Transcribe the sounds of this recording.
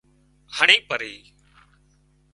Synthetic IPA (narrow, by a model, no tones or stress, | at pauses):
həɳĩːpəɾiː